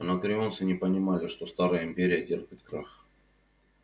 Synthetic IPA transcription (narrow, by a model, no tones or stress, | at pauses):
nɐkɾʲɪonsɨnʲɪpənʲɪmalʲɪʂt̪o̞st̪aɾəjəɪmʲpʲeɾʲɪjətʲerpʲɪt̪̚kɾax